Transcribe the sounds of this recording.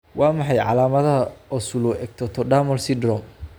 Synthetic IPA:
wɑːmɑħɑjʕɑ̰laːmɐðɐɔsulʊʔɛɡ̚t̪ʰɔt̪ʰɔɖaːmɔlsɪd̪rɔm

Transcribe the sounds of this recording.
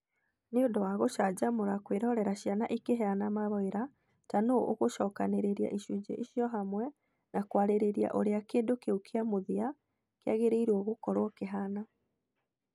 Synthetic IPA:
neodɔwaɣoʃad͡ʑamoɾakweɾɔɾɛɾaɕjanaʔikeɦɛanamaβɔeɾa | tanoo̰ɣoʃɔːkaneɾeɾia̰ʔiʃud͡ʑḛʔiʃijɔɦamwɛ | nakwaɾeɾeɾia̰ʔo̰ɾeakeːndokeukʰiamoðia | keaɣeɾeiɾwɔɣokɔɾwɔkeɦana

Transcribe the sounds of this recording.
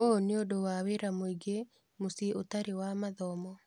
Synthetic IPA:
oneodowaweɾamoiɡe | mosieotaɾewamaðɔmɔ

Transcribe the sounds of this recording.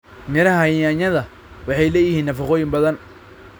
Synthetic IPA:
nɪɾɐhɐjaɲɐðɐ | wɑħɑjlɛːjɪhiːnːɐfɑqɔːjɪmbɐðɐn

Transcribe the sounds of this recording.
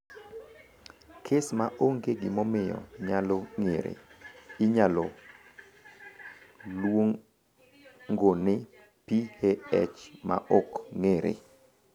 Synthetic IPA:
kʰesmaʔoŋɡeɡɪmɔmɪjɔ̰ɲaloŋeɾḛɪɲalɔ | lwoŋ | ŋɡonɪ | piheɛ̰t͡ʃma̰ʔokŋeɾḛ

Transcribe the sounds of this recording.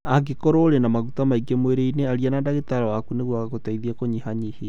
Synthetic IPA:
aɡekoɾoɾenamaɣutamaiɡemoeɾeineaɾianaːndaɣetaɾawakuneɣwaɣaɣotaiðiakoɲihaɲihe

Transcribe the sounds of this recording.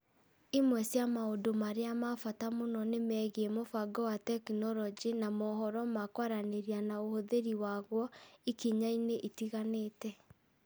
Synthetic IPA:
imwɛsjamaodomaɾeamafatamonɔnemɛɣiɛmofaɡɔwatɛkinɔɾɔd͡ʒinamɔɦɔɾɔmakwaɾaneɾianaohoðeɾiwaɣwɔikiɲaineʔitiɣaneːtɛ

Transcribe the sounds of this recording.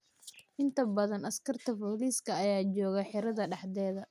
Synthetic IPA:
ʔɪnt̪ʰɐbɐðɐnɐskʰɐrt̪ʰɐfɔːliːskʰɐːjaːt͡ʃɔːɣɐħɪɾɐðɐɖɑħd̪ɛːðɐ

